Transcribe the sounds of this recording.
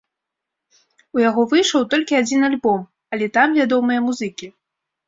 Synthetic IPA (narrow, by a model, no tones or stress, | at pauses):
ujaɣɔvɨjʂɐwt̪ɔlʲkʲiad͡zʲin̪alʲbɔm | ɐlʲɛt̪amvʲad̪ɔmɨjɐmuzɨkʲi